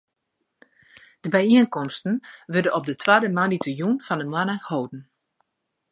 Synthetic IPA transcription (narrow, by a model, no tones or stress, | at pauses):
d̥əbɛjiənkɔmstn̩ʋødənɔp̚dətʰwadəmanitəjunfɔndəmanəhowdn̩